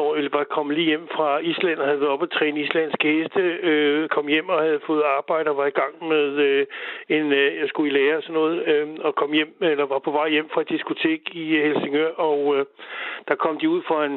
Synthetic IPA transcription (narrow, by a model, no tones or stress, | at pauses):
ɒelʋɑ̈kʰɒ̽m̰liːjem̰fʁɑ̈islæn̰ɐhæð̩ˠʋæɒ̽b̥æt͡sʰʁɛ̰ːnəislænsɡ̥əhesd̥əøkʰɒ̽mjem̰ɒ̽hæð̞ˠfɔ̽ːð̞̩ˠɑ̈ːb̥ɑ̈ɪ̰ɾ̥əɒ̽ʋɑ̈iɡ̥ɑ̈ŋ̰meðˠøe̝njɑ̈ɪsɡ̥uilɛːɐɒsɒ̽nːɔ̽ːð̞̩ˠɒ̽kʰɒ̽m̰jem̰elɐʋɑ̈pʰɒ̽ʋɑ̈ɪ̰jem̰fʁɑ̈æd̥isɡ̥ot͡sʰe̝̰ːɡ̥ihelseŋøɐ̰ɒʊ | d̥ɑ̈kʰɒ̽m̰d̥iuð̰ˠfʁɑe̝n